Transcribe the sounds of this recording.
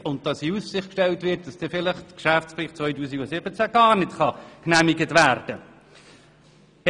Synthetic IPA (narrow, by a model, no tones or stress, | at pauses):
ʊnt̚d̥ɑsiussɪχkʃtɛltvɪt̚d̥ɑsd̥ɛfɪləχkʃæftsfliːχt͡sʋvœʏtuːsiɡosɪb̥ət͡sæɡ̥ɑːɾnɪtχɑknæmiɡətvæːɾd̥ə